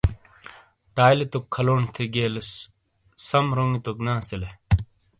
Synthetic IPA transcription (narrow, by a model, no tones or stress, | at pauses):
ʈaːjlet̪okʰːɐloːɳt̪ʰeɡeːl | sɐmɾoŋit̪oknãːsele